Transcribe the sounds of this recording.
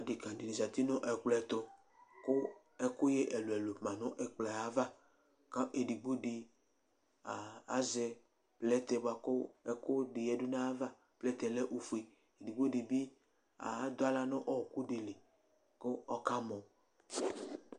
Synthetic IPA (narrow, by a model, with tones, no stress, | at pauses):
a˨di˨kã˨di˨nĩ˨za˨t̪i˦nʊ̃˦ʔɛ˨k͡plɛ˨t̪o˦ | kʊ˦ | ɛ˦kʊ˦je˦ʔɛ˨lo˨ɛ˨lo˨ã˨nʊ̃˦ʔɛ˨k͡plɛ˨a˨˦va˦ | ka˦ʔe˨di˨ɡ͡bo˦ɖi˨ | a˨a˦zɛ˨ | plɛ˦t̪ɛ˨ba˨kʊ˦ɛ˦kʊ˦di˨jɛ˦dʊ˦nã˦a˦va˦ | plɛ˦t̪ɛ˨lɛ˦ʔu˨fu˨e˨ | e˨di˨ɡ͡bo˦di˨bi˦ | a̰˨˦d̪o˦a˦la˦nɔ̃˦ʔɔ˦˨ku˦ɖi˨le˨ | ko˦ɔ˦ka˦mɔ̃˨